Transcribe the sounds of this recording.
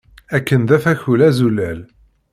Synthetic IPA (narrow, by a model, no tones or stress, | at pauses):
ækːənd̪æfæçulæzulæl